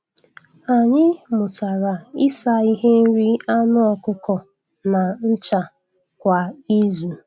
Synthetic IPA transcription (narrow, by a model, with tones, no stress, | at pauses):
a˨ɲɪ˦mʊ˨ta˨ɾa˨ɪ˦sa˨i˦ɦe˦n̩˦ɾi˦a˦nʊ˦ɔ˨kʊ˦kɔ˨ | na˨n̩˦t͡ʃa˨ | kʷa˨i˦zu˨